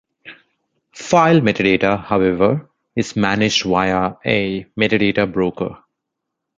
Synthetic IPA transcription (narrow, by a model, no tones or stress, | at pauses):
faɪlmɛʈɪɖeːʈəhaʊɛʋəɾ | ɪzmænɪd͡ʒɖʋaɪəemɛʈɪɖeːʈəbɾoːkə̰